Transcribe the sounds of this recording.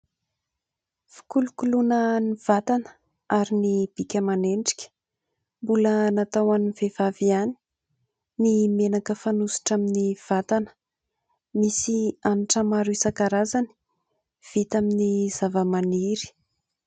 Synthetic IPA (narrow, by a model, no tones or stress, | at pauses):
fi̥kulukulunəniv̥at̪anə̥ | aɾinib̥ikʲəmaneɳɖ͡ʐi̥kʲə̥ | mbulənat̪awaniv̥ev̥aviani̥ | nimenakəfanusi̥ʈ͡ʂaminiv̥at̪anə̥ | misiamiʈ͡ʂəmaɾisakaɾazani̥ | v̥it̪aminiz̥avəmaniɾi̥